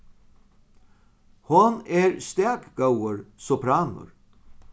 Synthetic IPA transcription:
hʊneːɹst̪æːkɡawəɹsɔpʰɾɑːnʊ̰ɹ

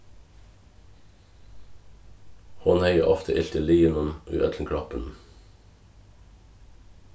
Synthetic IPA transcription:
hɔnheɪəʔɑft̪ʰəʔɪɬt̪əliːənɔmʉ̰ʔœt̪l̩kʰɽɑpən

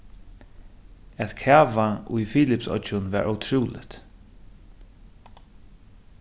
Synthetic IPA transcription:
æt̪kʰæːvaʔʊjfiːlɪpsɔ̰t͡ʃʊnvæ̰ːɹʔawt̪ʰɹuːlɪ̰t̪

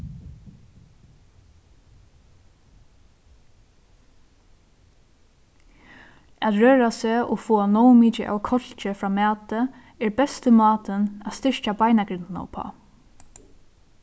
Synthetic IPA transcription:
at̪ɹøːɹaseːɔɣfoːanɔwmiːt͡ʃɪʔa̰wkʰɔl̥t͡ʃɪfɾaːmæːt̪ə | ɛɹbɛst̪əmɑːt̪ənaðst̪ɪɹ̥t͡ʃabajnaɡɾɪnt̪na̰pʰɔ̰ː

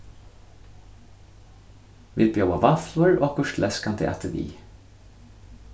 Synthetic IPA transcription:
ʋɪ̰lbəjɔbɑʋɑflʊɹʔoːkʰʊʃlʔɛskʰɑnd̪ʰḛʔæ̰t̪əʋḭː

